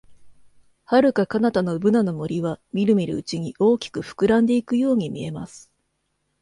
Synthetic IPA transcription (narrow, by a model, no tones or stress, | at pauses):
haɾɯ̟kakanat̪ano̞bɯ̟nano̞mo̞ɾʲiβ̞amʲiɾɯ̟miɾɯ̟̰ɯt͡ɕiɲ̟iʔo̞ːkʲi̥kɯ̟ɸɯ̥kɯ̟ɾãnd̪e̞ikɯ̟jo̞ːɲ̟imʲie̞ma̰sɨ̥